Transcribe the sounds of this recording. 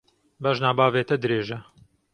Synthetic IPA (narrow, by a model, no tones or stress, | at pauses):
bɐʒnaːbaːveːt̪ɐd̪ɨɾeːʒɐ